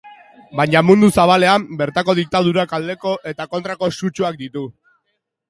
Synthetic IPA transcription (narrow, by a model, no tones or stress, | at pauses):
bajɲamund̪usaβ̞ale̞ambe̞ɾt̪ako̞ð̞ik̚t̪að̞uɾakald̪e̞ko̞ʔe̞t̪ako̞nt̪ɾako̞sut͡ʃuak̚d̪it̪u